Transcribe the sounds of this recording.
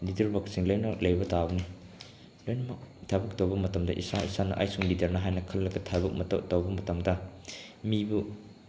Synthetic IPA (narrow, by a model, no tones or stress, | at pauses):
lidɐɾbɐksiŋlojnɐlɐjbɐtabɐni | lojnɐmɐk̚tʰabɐk̚tɐwbɐmɐtɐmdɐ̰ʔḭsaḭsanɐ̰ʔa̰jsuŋlidɐɾnɐɦajnɐkʰɐlːɐɡɐtʰabɐk̚mɐtɐ̰wtɐwbɐmɐtɐmdɐ | mibu